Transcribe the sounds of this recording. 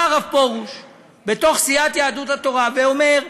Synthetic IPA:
aʁavpo̞ʁuʃ | be̞t̪o̞χsiat̪jaːd̪ut̪at̪o̞ʁaveome̞ʁ

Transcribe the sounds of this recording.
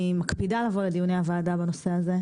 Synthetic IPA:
makpidalaːvoled̪ijuneavaːdabano̞se̞aze̞

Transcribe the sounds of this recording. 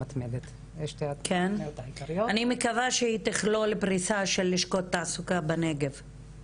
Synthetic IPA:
at̪med̪et̪ | eʃt̪eakʰenot̪aikajoanimekavaʃeit̪eχlolepʁisaʃelːiʃko̞t̪ːasukabaneɡev

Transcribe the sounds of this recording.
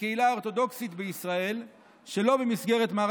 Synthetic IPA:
keilaoʁt̪o̞d̪o̞ksit̪beisʁae̞l | ʃe̞lo̞bemisɡe̞ʁe̞t̪maː

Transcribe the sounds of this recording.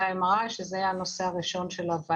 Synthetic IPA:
aemʁaʃezeanoseaʁiʃo̞nʃelad̪va

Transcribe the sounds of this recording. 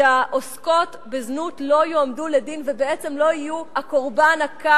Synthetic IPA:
aʔosko̞tbeznutlo̞joamduledinvebeet͡se̞mlo̞ijuhakoʁbanaka

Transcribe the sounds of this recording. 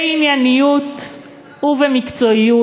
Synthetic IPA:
injanijut | huvemikt͡so̞iju

